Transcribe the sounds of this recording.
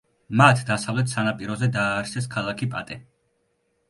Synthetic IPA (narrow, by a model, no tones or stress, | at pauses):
mat̪ʰd̪asavlɛt̪ʰsanapʼiɾɔzɛd̪aːɾsɛs̬kʰalˠakʰipʼa̰t̪ʼɛ